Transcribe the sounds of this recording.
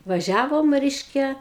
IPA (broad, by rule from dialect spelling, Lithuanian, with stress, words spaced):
ʋɐˈʒʲæːʋoːm ˈrʲɛɪʃʲkʲɛ